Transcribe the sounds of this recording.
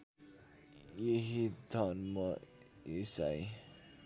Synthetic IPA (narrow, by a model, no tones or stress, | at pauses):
jeɦid̪ʱʌnmʌ | isaj